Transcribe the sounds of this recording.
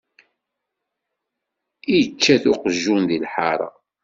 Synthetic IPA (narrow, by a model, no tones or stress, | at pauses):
ijt͡ʃːæθʊqəʒːunðilħaɾˤɑ̰